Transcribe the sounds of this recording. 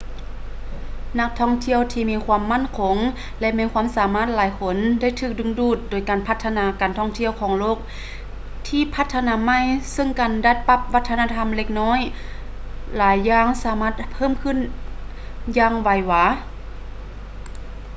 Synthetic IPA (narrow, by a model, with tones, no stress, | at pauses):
na˧k̚t̪ʰɔː˧˥˨ŋt̪ʰi˧˨əwt̪ʰiː˧miː˧˥kʰwaː˧˥˨mːa˧˥˨nkʰo˨˦ŋ | lɛ˧ʔmɛː˧˥nkʰwa˧˥˨msaː˨˦maː˧˥˩t̪̚laː˨˦jkʰo˧˦nda˥˨jt̪ʰɯː˧˩k̚dɯ˧˥ŋduː˧˩t̪̚doː˨˩jkaː˨˩npʰa˧t̪ʰːa˧naː˧˦kaː˨nt̪ʰɔː˧˥˨ŋt̪ʰi˧˥əwkʰɔː˨˩˦ŋloː˧˥˩k̚ | t̪ʰiː˧pʰa˧˥t̪ʰːa˧naː˧˥ma˧˥˨jsɯ˧˥˨ŋkaː˨nda˧˥t̪̚pa˧p̚ʋa˧˥t̪ʰːa˧naː˧t̪ʰa˧˥˨mle˧k̚nɔː˧˥˨j | laː˨˦jːaː˧˩˨ŋsaː˨˦maː˧˩t̪̚pʰɤː˥˨mkʰɯ˧˨n | jaː˧ŋwa˧˩jwaː˧˩